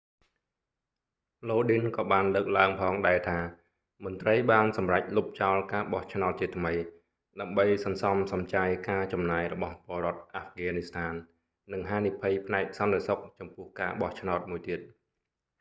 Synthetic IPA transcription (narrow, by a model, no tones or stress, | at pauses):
loːɗinkɑːɓaːnləːk̚laəŋpʰɑːŋɗaɛlt̪ʰaː | mʊ̆ənt̪rəjɓaːnsɑmrac̚lup̚t͡ɕaɔlkaːɓɑht͡ɕʰnaɔt̪̚t͡ɕiət̪ʰməj | ɗaəmɓəjsɑnsɑmsɑmt͡ɕajkaːt͡ɕɑmnaːjrɔɓɑhpŏəɾŏət̪̚ʔafɡaːnist̪ʰaːnː | ɨŋɦaːnipʰɨjpʰnaɛk̚sɑnt̪esok̚t͡ɕɑmpʊ̆əhkaːɓɑht͡ɕʰnaɔt̪̚muəjt̪iət̪̚